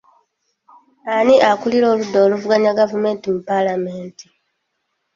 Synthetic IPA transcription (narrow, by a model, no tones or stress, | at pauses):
aniʔakuliɾo̞ːludːoːluvuɡaɲaɡavume̞ːntimupalame̞ːnti